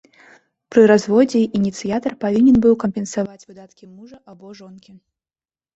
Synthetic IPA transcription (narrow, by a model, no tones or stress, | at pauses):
pɾɨɾazvɔd͡zʲɛʔinʲit̪sɨjat̪ɐrpavʲinʲɛnbɨwkɐmʲpʲɛnsavat͡sʲvɨd̪at̪kʲimuʐɐʔabɔʐɔnkʲi